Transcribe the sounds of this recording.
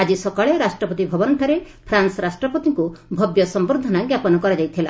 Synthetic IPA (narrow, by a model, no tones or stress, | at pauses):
ad͡ʒisɔkɔɭeɾasʈɾɔpɔt̪ibʱɔbɔnɳʈʰaɾe | pʰɾansɔɾasʈɾɔpɔt̪iŋkubʱɔbjɔsɔmboɾd̪ʱɔnaɡjapɔnɔkɔɾad͡ʒajt̪ʰila